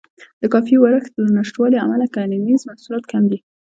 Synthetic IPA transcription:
d̪̥əkɑfiwaɾəxt̪lanaʂʈwɑlia̰malakaninizmahsulɑt̪kʰamd̪i

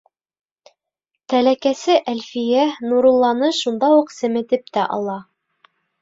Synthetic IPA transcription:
t̪ælækæsɘʔælfijænuɾulˠːɑnɤʃund̪ɑuqsɘ̆mɘ̆t̪ɘp̚t̪æʔɑ̰lˠɑ

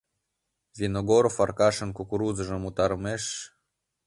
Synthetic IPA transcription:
vʲinoɡoɾofarkɑʃə̆nkukuɾuzəʒɤ̆mut̪ɑɾmeʃ

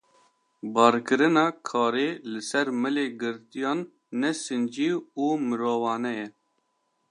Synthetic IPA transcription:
bɑːɾkɨɾɨnɑːkʰɑːɾeːlɨsɛɾmɨleːɡɨɾt̪ijɑːnː | ɛsɨnd͡ʒiːuːmɨɾoːvɑːnɛjɛ

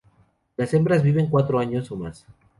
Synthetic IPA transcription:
lase̞mbɾazβiβe̞ŋkwat̪ɾoaɲo̞soma̰s

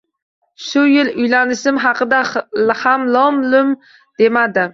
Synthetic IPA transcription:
ʃʊjɪlʊjlanɪʃɪmɦɑqɨd̪ahamlˠɒmlʊm | d̪̥e̞mad̪ɪ

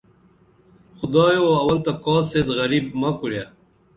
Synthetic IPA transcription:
xʊd̪ɑːjoɐwɐlt̪akɔːlsezɣɐɾiːb̚mɐkuɾja

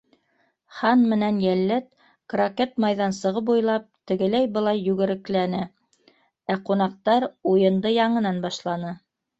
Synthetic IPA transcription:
χɑnmɘ̆nænjælːæt̪̚ | kroket̪mɑjðɑnsɤ̆ʁɤpujlˠɑp̚t̪ɘ̆ɡɘ̆læjbɤ̆lˠɑjːʉɡɘ̆ɾɘ̆klænɘ | æqunɑq̚t̪ɑɾujɤ̆nd̪ɤjɑɴɤ̆nɑnbɑʃlˠɑnɤ

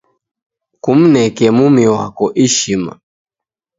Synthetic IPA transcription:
kum̩nɛkɛmumiwa̰kɔʔiʃima̰

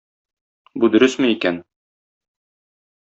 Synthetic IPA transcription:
bud̪ɵ̆ɾɵsmɘikæn

